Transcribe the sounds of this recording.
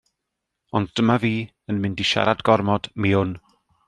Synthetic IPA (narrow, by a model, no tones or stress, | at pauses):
ɔndd̥əmaviː | ənmɪndiʃa̰ɾadɡɔrmɔdmɪʊn